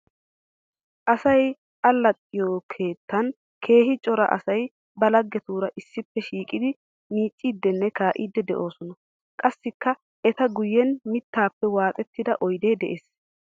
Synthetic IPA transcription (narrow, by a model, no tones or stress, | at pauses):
ʔɐsɐj | ʔɐlːɐt̪ʼːɪjokʰe̞ːt̪ːɐn | kʰe̞ːɦɪt͡ʃʼɔɾɐ̰ʔɐ̰sɐj | bɐlɐɡːɛt̪uːɾɐʔɪsːɪpːɛʃiːkʼɪd̪ɪ | miːt͡ʃʼːiːd̪ːɛnːɛkaːʔiːd̪ːɛd̪ɛʔo̞ːsɔnɐ | kʼɐsːɪkːɐ | ɛt̪ɐɡʊjːɛnmɪt̪ːaːpːɛwaːt̪ʼɛt̪ːɪd̪ɐʔɔjd̪e̞ːd̪ɛʔeːs